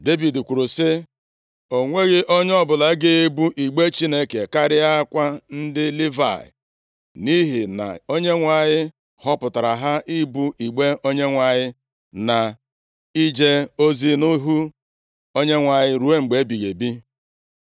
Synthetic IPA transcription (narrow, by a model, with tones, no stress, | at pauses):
de˦vi˨dkʷu˨ɾu˨sɪ˦ | o˨ŋʷe˦ɣɪ˦ʔo˦ɲ˦ɔ˦bʊ˨la˨˦ɡɪ˦e˦bu˦ʔi˨ɡ͡be˦t͡ʃi˦ne˦ke˨ka˦ɾɪ˦a˦kʷa˦n̩˦dɪ˦li˦va̰˨ɪ̰˨ | ni˦ɦi˨na̰˨o˦ɲe˦ŋʷa˨ɲɪ˦ | hɔ˦pʊ˨ta˨ɾa˨ɦa˦ʔi˦bu˦i˨ɡ͡be˦o˦ɲe˦ŋʷa˨ɲɪ˦ | na˨ | i˦d͡ʒe˦o˦zi˦nʊ˦ɦu˦ | o˦ɲe˦ŋʷa˨ɲɪ˦ɾu˨˦e˦ŋ͡m̩˨ɡ͡be˨˦bi˨ɣe˨bi˦